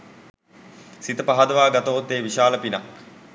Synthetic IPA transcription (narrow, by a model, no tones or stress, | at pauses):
sit̪əpaɦad̪əʋaːɡat̪oɦot̪ːeːʋiʃaːləpinɐk